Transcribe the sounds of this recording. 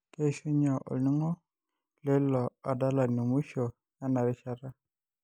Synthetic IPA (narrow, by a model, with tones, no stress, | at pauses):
ke˦ʃu˦ɲa˨ʔo̰˨lni˦ŋo˦ | le˦lɔ˨a˨da˦la˨ni˨mu˦ʃo˨ | ja˦na˨ɾi˦ʃa˨ɾa˦